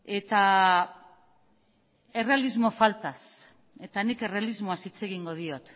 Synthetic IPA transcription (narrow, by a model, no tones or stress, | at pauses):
e̞t̪a | e̞re̞alizmo̞falt̪as | e̞t̪anike̞re̞alizmoasit͡se̞ɣiŋɡo̞ð̞io̞t̪